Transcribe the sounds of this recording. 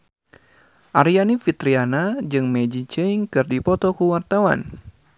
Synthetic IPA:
ʔaɾianifit̪ɾianad͡ʒɨŋmed͡ʒit͡ʃɛiŋkɨrdipɔt̪ɔkuwart̪awa̰n

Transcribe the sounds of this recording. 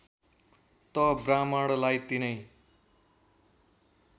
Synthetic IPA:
t̪ʌbramʌɽlajt̪inʌj

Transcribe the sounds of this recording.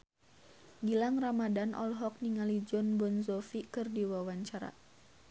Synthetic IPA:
ɡilaŋramadanʔɔ̰lɦɔk̚niŋalid͡ʒɔnbɔnzɔfikɨrdiwawaɲt͡ʃaɾa̰

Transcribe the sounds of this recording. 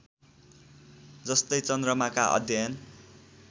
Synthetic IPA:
d͡zʌst̪ʌjt͡sʌnd̪rʌmakaʔʌ̰d̪ʱjajʌn

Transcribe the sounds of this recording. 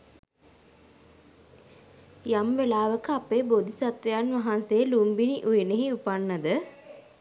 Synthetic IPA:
jamʋelaːʋəkəapeːbod̪isat̪ʋəjanʋaɦansejəlumbiniʔujeneɦiupanːəd̪ə

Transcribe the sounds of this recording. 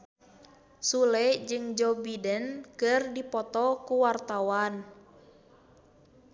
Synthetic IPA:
sulɛd͡ʒɨŋd͡ʒɔbidənkɨrdipɔt̪ɔkuwart̪awan

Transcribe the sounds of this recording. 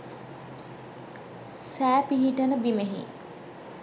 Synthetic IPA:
sæːpiɦiʈənəbimeɦḭ

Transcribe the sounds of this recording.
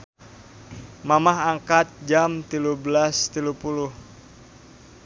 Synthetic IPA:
mamahɦaŋkat̪̚d͡ʒamt̪ilubəlast̪iluhpulʊh

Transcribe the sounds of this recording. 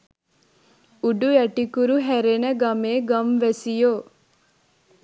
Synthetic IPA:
uɖujaʈikuɾuɦɛɾenəɡɐmeːɡɐmʋɛsijoː

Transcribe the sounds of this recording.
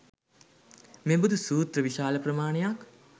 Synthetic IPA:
mebud̪usuːt̪ɾəʋiʃaːləprɐmaːɳejak

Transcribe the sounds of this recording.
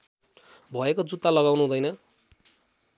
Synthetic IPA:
bʱʌekod͡zut̪ːalʌɡawnuɦũd̪ʌjnʌ

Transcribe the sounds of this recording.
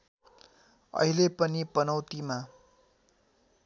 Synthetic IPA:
ʌ̰ɦilepʌnipʌnʌwt̪ima

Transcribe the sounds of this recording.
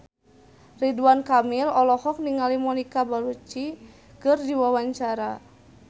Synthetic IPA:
riduankamilɔlɔhɔk̚niŋalimɔnikabalut͡ʃi | kɨrdiwawaɲt͡ʃaɾa

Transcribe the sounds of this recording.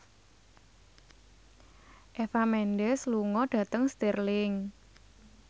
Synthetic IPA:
ʔefamɛnɖɛsluŋɔɖ̥ä̤t̪əŋst̪irlɪŋ

